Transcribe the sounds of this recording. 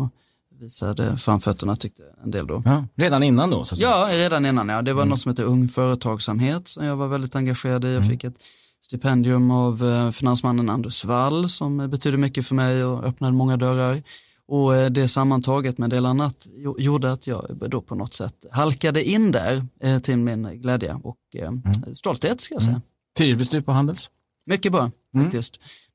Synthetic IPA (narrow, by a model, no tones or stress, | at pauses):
viːsa̰d̪ə̰fɾamfœt̪ʰːəɳat̪ʰʏk̚t̪ʰəɛ̰nd̪ḛld̪ɔ̰ɾeːd̪anɪnːand̪o̰sajɑːɾeːd̪anɪnːanjɑd̪ɛvanɔt̪sɔmheːt̪əɾɵŋfœːɾət̪ʰɑːɡsamɦeːt̪sɔmjaːɡvaɾvɛld̪ɪt̪aŋɡaɧeːɾad̪ɪjɑɡfɪkːɛt̪ | st̪ɪpʰɛnd̪ɪɵmavfɪnansmanːənand̪əʂvalːsɔmbɛt̪ʰyːd̪əmʏkːəfœɾmɛjɔœpnad̪əmɔŋːad̪œɾaɾ | ʔɔd̪ɛsamːant̪ʰɑːɡət̪mɛd̪eːlanːat̪juːɖəat̪ʰjɑ̰ːɡd̪opʰɔnɔt̪sɛ̰t̪ːɦalkad̪əʔɪnd̪æ̰ɾt̪ʰɪlmɪnɡlɛːd̪ja̰ʔɔ̰k | st̪ɔlt̪heːt̪skaljaːsɛjːa | t̪ʰyːvɪsd̪ɵpʰɔɦand̪əls | mʏkːəbɑːɾafak̚t̪ɪskt̪